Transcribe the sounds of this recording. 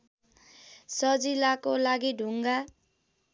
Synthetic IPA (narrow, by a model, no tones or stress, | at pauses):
sʌd͡zilakolaɡiɖʱuŋɡa